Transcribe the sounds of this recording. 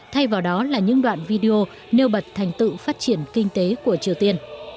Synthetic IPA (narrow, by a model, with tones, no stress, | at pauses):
t̪ʰa˧jvaː˨˩wɗɔ˨˦laː˨˩ɲɨ̰˧˥ŋɗwa̰ː˧˨nvi˧ɗi˧o˧ | ne˧wɓə˨˩t̚t̪ʰa˨˩jŋ̟t̪ɨ̰˧˨faː˦˥t̚t͡ɕi˧˩ənkï˧ŋ̟t̪e˨˦ku˧˩ət͡ɕi˨˩əwt̪i˧ən